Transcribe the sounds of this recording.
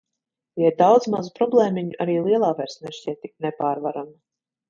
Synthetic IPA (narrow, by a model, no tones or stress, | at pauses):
jaid̪awd̪zmazupɾɔblˠɛːmiɲuʔaɾiːlˠiɛlˠaːvɛɾsnɛʃcʲɛt̪ːiknɛpaːɾvaɾama